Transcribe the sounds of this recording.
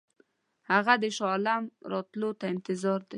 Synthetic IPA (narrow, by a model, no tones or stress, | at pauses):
haɣad̪əʃɑlamɾɑt̪lot̪aɪnt̪ɪzɑɾd̪e